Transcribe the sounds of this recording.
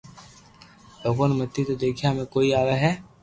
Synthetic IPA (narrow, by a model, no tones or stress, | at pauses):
loːɡonemət̪ːit̪od̪eːkʰijamẽkoːiaːʋeɦɛː